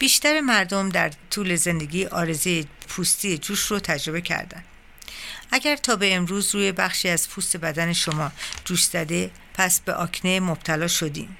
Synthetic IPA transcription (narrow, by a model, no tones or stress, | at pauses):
b̥iːʃt̪æɾe̞mæɾd̪omd̪æɾt̪ʰuːle̞ze̞nd̪e̞ɡʲiːʔɒːɾe̞zejepʰuːst̪iːed͡ʒuːʃrot̪ʰæd͡ʒɾo̞be̞cʰæ̰ɾd̪æ̰n | ʔæɟæɾt̪ʰɒːbe̞ːmɾuːzruːje̞bæχʃiːæz̥pʰust̪e̞bæd̪æne̞ʃo̞mɒːd͡ʒuːʃz̥æd̪e̞ | pʰæsbe̞ʔɒːkʰne̞mob̥̚t̪ʰælɒːʃod̪ḭːm